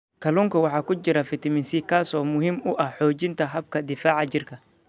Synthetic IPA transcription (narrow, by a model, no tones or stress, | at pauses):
kʰɐluŋkʰɐwɑħɑːkʊt͡ʃɪɾɐfɪt̪ʰɐmɪnsikʰːaːsɔːmʊɦiːmʊʔɐhħɔːt͡ʃɪnt̪ʰɐɦɐb̚kʰɐd̪ɪfaːʕɑt͡ʃɪrkʰɐ